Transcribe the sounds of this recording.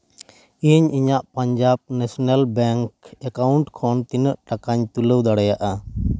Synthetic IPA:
iɲiɲaʔpaɲd͡ʒab̚nɛsɔnalbɛŋkɛkauɳʈkʰɔnt̪inəʔʈakaɲt̪uləwd̪aɽɛjaʔa

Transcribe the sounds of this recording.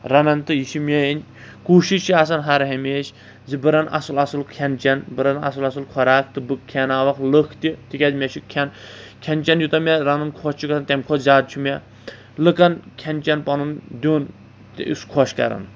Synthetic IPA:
ɾɐnɐnt̪ɨjiʃimʲɛinʲ | kuːʃit͡ʃʰias̬ɐnɦaɾɦemeːʃ | zibɨɾɐna̰sɨlasɨlkʰɛnt͡ʃɛnbɨɾɐnɐ̰sɨlɐsɨlkʰɔɾaːk̚ʰt̪ɨbɨkʲʰːɛnaːʋɐklɨkʰt̪it̪ikʲɐzmʲɛʃʰikʲʰɛnkʲʰɛnt͡ʃɐnjut̪ɐmɛɾɐnɨnkʰɔt͡ʃʰikɐsɐnt̪ʲɛmkʰɔzʲaːd̪̚t͡ʃʰimɛ | lɨkɐnkʰɛnt͡ʃɐnpɐnɨnd̪ʲon | ḭskʰɔʃkɐ̰ɾɐ̰n

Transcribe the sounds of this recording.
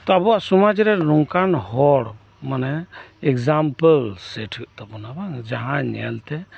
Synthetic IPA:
t̪ɔəbuasumad͡ʒɾeɾuŋkanhɔɽ | maneekd͡ʒampəlseʈʰt̪ɔbɔnabaŋd͡ʒaɦãɲɛ̰lt̪e

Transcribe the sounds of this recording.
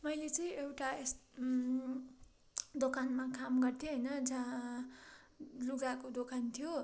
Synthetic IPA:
mʌjlet͡sʌĩewʈaes | d̪okanmakamɡʌrt̪ʰjeɦʌjnʌd͡zã | luɡakod̪okant̪ʰijo

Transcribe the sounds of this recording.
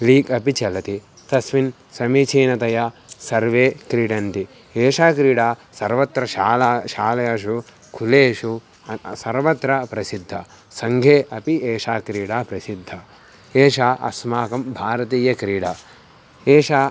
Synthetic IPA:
liːkɐpit͡ʃɐlɐt̪i | t̪ɐsʋin | sɐmiːt͡ʃʰiːnɐt̪ɐjasɐɾʋeːkɾiːɽɐnt̪i | eːʃaːkɾiːɽaːsɐɾʋɐt̪ɾɐʃaːlːʃaːlɐjɐʂu | kʰuleːʂu | sɐɾʋɐt̪ɾɐpɾɐsid̪ʱːɐ | sɐŋɡʱeːʔɐpieːʂaːkɾiːɽaːpɾɐsid̪ʱːɐ | eːʂaːʔɐ̰smaːkɐmbʱaːɾɐt̪iːjɐkɾiːɽaː | eːʂaː

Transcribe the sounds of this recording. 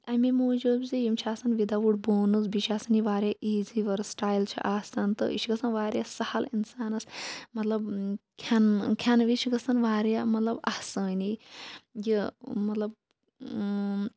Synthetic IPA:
ɐmimoːd͡ʒubzijimt͡ʃʰaːsɐnʋid̪aʋuʈboːnɨzbiʃʰiaːsɐnjiʋaːɾʲjaʔiːziʋɐɾsʈaːjlt͡ʃʰḭʔaːsɐnt̪ɨ̰ḭʃʰiɡɐsɐnʋaːɾjasɐhɐlinsaːnɐsmɐt̪lɐbkʲʰankʲʰanʋit͡ʃʰiɡɐsɐnʋaːɾjamɐt̪lɐbahsɐːni | jimɐt̪lɐb̚

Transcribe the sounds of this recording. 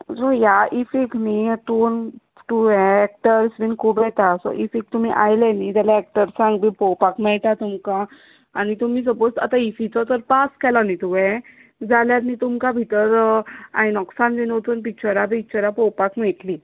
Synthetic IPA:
sɔjaʔifiknit̪un | t̪uʋɛ̃ːk̚ʈəɾsʋinkʰubɛt̪asɔ̰ʔifik̚t̪um̤iʔajlɛnid͡zaljaɛk̚ʈəɾsãŋɡbipɔwpakmɛɭt̪at̪umkaː | ñit̪umiːs̬əpod͡zta̰t̪aifit͡sɔt̪əɾpaskɛlanit̪uʋɛ̃ | d͡zaljaɾnit̪umkabʱit̪əɾa̰jnɔksãnd̪inot̪unpik̚t͡ɕəɾabik̚t͡ɕəɾapɔwpakmɛʈ̪li

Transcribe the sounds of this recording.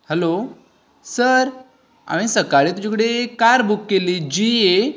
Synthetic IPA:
hɛlo | səɾ | a̰m̃ĩsəkaɭiːt̪ud͡ʑakəɽekaɾbukːeliːd͡ʑie

